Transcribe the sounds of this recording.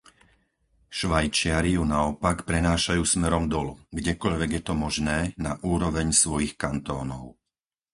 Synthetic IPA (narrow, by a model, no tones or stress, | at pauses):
ʃʋajt͡ʃɪaɾijunaɔpakpɾɛnaːʃajuːsmɛɾɔmd̪ɔluɡɟɛkɔʎʋɛɡjɛt̪ɔmɔʒnɛːnaʔuːɾɔʋɛɲsʋɔjixkant̪ɔːnɔʊ